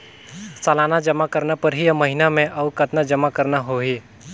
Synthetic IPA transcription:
salaːnad͡ʒəmakəɾnapəɾɦijməɦinamẽʔɐʋkət̪nad͡ʒəmakəɾnaɦoːɦi

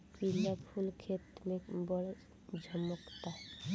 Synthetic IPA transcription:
pilapʰulkʰet̪nebɔɽ | d͡ʒʱɔmɔkt̪aɦɛ

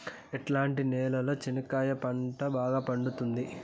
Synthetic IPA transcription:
eʈlaːɳʈinɛːlɐloːt͡ʃinɐkaːjɐpɐɳʈɐbaːɡaːpɐɳɖut̪und̪i

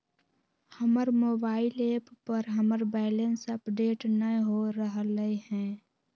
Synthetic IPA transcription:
həməɾmoːbaːɪleːppəɾɦəməɾbɛːlensəpɖeːʈnəɦoɾəɦləiɦɛ̃ː

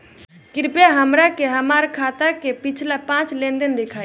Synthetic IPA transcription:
kɪɾpjaɦəmɾakeɦəmaɾkʰat̪akepit͡ʃʰlapãt͡ʃlend̪ənd̪ekʰa

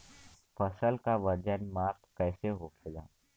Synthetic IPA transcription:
fʰəsəlkaʋəd͡ʒənmaːɾt̪ʰkɛːseɦokʰeɡa̰ː

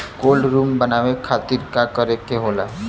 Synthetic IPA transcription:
kolɾuːmbənaʋekʰat̪iːɾkakəɾekeɦola

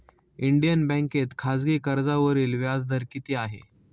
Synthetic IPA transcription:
iɳɖijənbɛ̃ŋket̪kʰad͡zɡiːkəɾd͡zaʋəɾiːlʋjad͡zd̪ʱəɾkit̪iaɦḛ

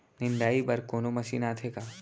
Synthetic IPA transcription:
nɪɳɖaːibɐɾkoːnomɐsḭːnaːt̪ʰeːkaː

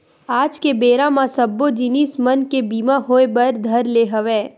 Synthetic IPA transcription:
aːd͡ʒkebeːɾãmãsɐbːod͡ʒɪnismɐnkebiːmãɦoːebɐɾd̪ʱɐɾleɦəʋeː

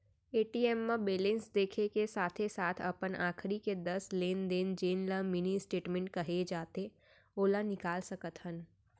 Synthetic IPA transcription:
eːʈiːɛːmːãbeːlẽnsd̪eːkʰekesaːt̪ʰesaːt̪ʰɐ̰pənʔaːkʰɾiked̪ɐsleːnd̪eːnd͡ʒeːnlamɪnisʈeːʈmẽɳʈ̚kɐɦed͡ʒaːt̪e | oːlanɪkaːlsɐkət̪ɦən

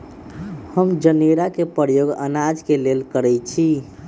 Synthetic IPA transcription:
həmd͡ʒəneɾakepəɾjoɡə̰nad͡ʒkelelkəɾɛt͡ʃʰi

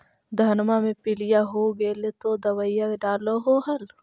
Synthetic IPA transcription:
d̪ʱənmamẽpɪlijaɦoɡelet̪od̪ɐwəijakɖaːloɦoɦɐl

